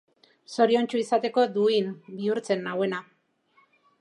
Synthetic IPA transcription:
so̞ɾio̞nt͡ʃuisat̪e̞ko̞d̪uinbiuɾt͡se̞nːawe̞na

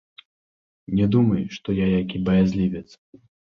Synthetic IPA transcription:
nʲɛd̪umɐjʂt̪ɔjajakʲibɐjazʲlʲivʲɛt̪s

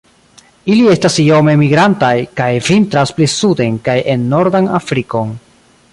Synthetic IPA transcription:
ilie̞stasio̞me̞miɡɾantajkajvintɾasplisude̞nkajʔe̞nːo̞ɾdanafɾiko̞n

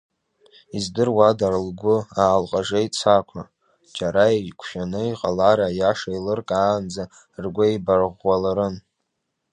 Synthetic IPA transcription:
izdɨrwadarlɡʷʊaːlqʼaʐajt͡sʰakʷʰa | d͡ʒʼaɾajkʷʰʃᶣanɨiqʼalaɾajaʂajlɨrkʼaːnd͡za | rɡʷaibarʁːalaɾɨn

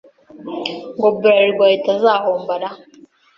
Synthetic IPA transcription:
ɡɔbɾaɾiɡajtazahɔmbaɗa

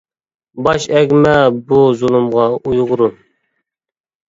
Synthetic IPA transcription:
bɑʃɛɡʲmɛbuzulˠumʁɑujʁʊɾu

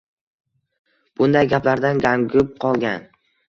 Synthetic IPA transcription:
b̥ʊnd̪ajɡʲaplaɾd̪anɡʲaŋɡʲʊp̚qʰɒlˠɡʲan

